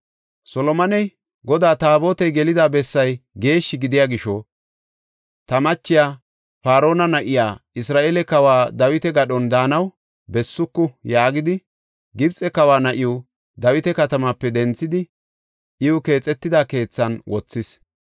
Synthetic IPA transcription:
sɔlɔmɐnɛj | ɡɔd̪aːt̪aːbo̞ːt̪ɛjɡɛlɪd̪aːbɛsːɐjɡe̞ːʃːɪɡɪd̪ɪjaːɡɪʃɔ | t̪ɐmɐt͡ʃːɪjaː | paːɾo̞ːnɐnɐʔɪjaːɪsɾaːʔeːlɛkɐwaːd̪ɐwɪt̪ɛɡɐɗɔnd̪aːnɐw | bɛsːʊkːʊjaːɡɪd̪ɪ | ɡɪbt͡sʼɛkɐwaːnɐʔɪjɔ | d̪ɐwɪt̪ɛkɐt̪ɐmapːɛd̪ɛnt͡sːɪd̪ɪ | ʔɪʊke̞ːt͡sʼːɛt̪ːɪd̪aːke̞ːt͡sːɐnwɔt͡sːɪs

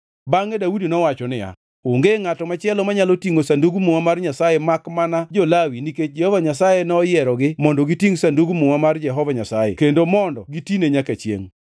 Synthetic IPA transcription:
baŋedaudinɔwat͡ʃɔnɪja̰ | oŋɡeŋatɔmat͡ʃɪɛlɔmaɲalotiŋosanduɡumuŋamarɲasajemakmanad͡ʒɔlawiniked͡ʒɛhɔvaɲasajenɔjɛɾɔɡɪmɔndɔɡitiŋsanduɡumuwamard͡ʒɛɦɔvaɲasajḛkendomɔndɔɡitineɲakat͡ʃjḛŋ

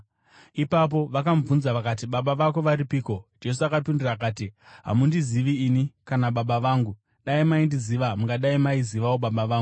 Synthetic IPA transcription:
ipap̬o̞ʋakamvunzaʋakat̬iɓaɓaʋako̞ʋaɾipiːko̞d͡ʒe̞s̬uakapindirak̬aːtiɦa̰mundiziʋiːnikanaɓaɓaʋaːŋɡu | ɗaimaindiziʋamuŋɡaɗaimaiziʋawoɓaɓaʋaːŋɡu

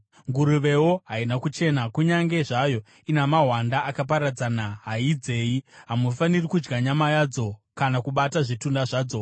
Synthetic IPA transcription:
ŋɡuɾuʋe̞woɦainakut͡ʃe̞nakuɲaŋɡe̞ʐajo̞ | inamaɦwandaakapaɾad͡zanaɦaid͡ze̞ːjiɦamufanirikud͡ʒɡaɲamajad͡zo̞kanakuɓataʐitundaʐaːd͡zo̞

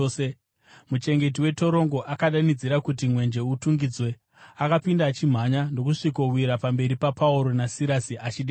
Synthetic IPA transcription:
e | mut͡ʃe̞ŋɡe̞t̬iwe̞to̞ɾo̞ŋɡo̞ʔakaɗanid͡ziɾakut̬imwe̞nd͡ʒe̞utuŋɡid͡zwe̞ | akapindat͡ʃim̤aɲano̞kuʂikowiɾapambe̞ɾipapauɾo̞nasiɾasiʔat͡ʃiɗe

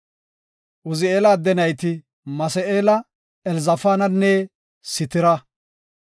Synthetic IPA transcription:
ʔʊzɪeːlaːd̪ɛnɐjt̪ɪ | mɐsɛeːlɐ | ɛlzɐfaːnɐnːɛ | sɪt̪ɪɾɐ

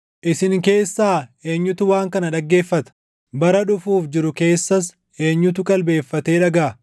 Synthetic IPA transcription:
ʔɪsɪŋke̞ːsːaːe̞ːɲːʊt̪ʊwaːŋkɐnɐᶑɐɡːe̞ːfːɐt̪ɐ̥ | bɐɾɐᶑʊfuːfd͡ʒɪɾʊke̞ːsːɐs | e̞ːɲːʊt̪̬ʊkʼɐlbe̞ːfːɐt̪e̞ːᶑɐɡaː

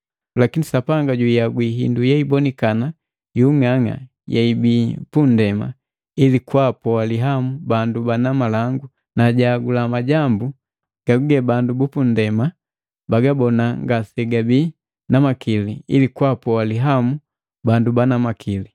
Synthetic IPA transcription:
lakinisapaŋɡaɟujaɡwiɦḭndujɛibɔnikana | juŋaŋa̰ | jɛibipundɛma̰ | ilikwapɔaliɦamubandubanamalaŋɡu | naɟaɡulamaɟambu | ɡ̥aɡuɡɛbandubupun̩dɛma | baɡabɔnaŋɡasɛɡabi | namakiliḭlikwapɔaliɦamu | bandubanamakʰili

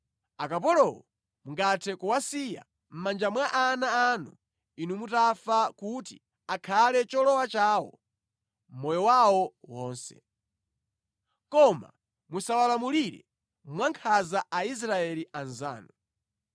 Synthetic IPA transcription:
akap̬ɔlɔwɔ | muŋɡatʰɛkuwasija̰ | m̩mand͡ʒamwaʔanaːnṵ | inumutafakuti | akʰalɛt͡ʃɔlɔwat͡ʃaːwɔ̰ | m̩mɔjɔwawɔwɔːnsɛ̰ | kɔma̰ | musawalamuliɾɛ̰ | mwaŋkʰazaʔais̬ɾaɛliʔanza̰ːnu

